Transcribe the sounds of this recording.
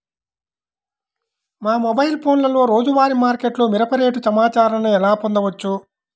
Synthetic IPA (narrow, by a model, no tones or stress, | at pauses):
maːmɔbɐjlpʰo̞ːnlɐlo̞ːɾo̞ːd͡ʒuʋaːɾimaːɾkeʈloːmiɾɐpɐɾeːʈusɐmaːt͡ʃaːɾɐɐnuɛlaːpond̪ɐʋɐt͡ʃːu